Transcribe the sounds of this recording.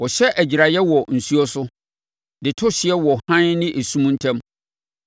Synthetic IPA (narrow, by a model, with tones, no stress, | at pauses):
wɔ˨ɕɛ˦ʔæ˨d͡ʑi˨ɾa˨jɛ˦wɔ˨n̩˨su˦ɔ˦sʊ˦ | dɪ˨tʰʊ˦ɕɪ˨ɛ˦wɔ˨hã˦nnɪ̃˦ʔe˨sũ˦m̃˦n̩˦tʰɛ̃˦m